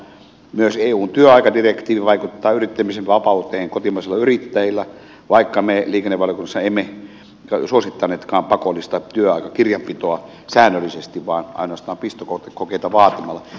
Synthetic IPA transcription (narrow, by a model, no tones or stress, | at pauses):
myøseːuːnt̪yøɑikɑdirekt̪iːʋiʋɑikut̪ːɑːyrit̪ːæmiseʋʋɑpɑut̪eːheŋkot̪imɑˑiselːɑyrit̪ːæjilːæ | ʋɑikːɑmeliːkenːeʋʋɑlijokunːɑsːɑeimːe | suosit̪ːɑnˑeːt̪kɑːmpɑkolːˑist̪ɑt̪yøɑˑikɑkirjɑmpit̪oɑ | sæːnːølːˑisest̪iʋʋɑːnʔɑ̰inoɑst̪ɑːmpist̪okot̪ekokeit̪ɑʋɑːt̪imɑlːˑɑ